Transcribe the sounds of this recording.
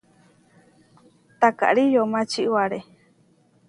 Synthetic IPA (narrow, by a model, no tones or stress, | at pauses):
t̪aka̰ʔɾijomãt͡ʃiʔwaɾe